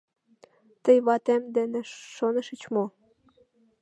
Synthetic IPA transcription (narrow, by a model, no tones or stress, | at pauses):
t̪ə̆jβɑt̪emd̪ĕnĕʃonə̆ʃə̆t͡ɕmo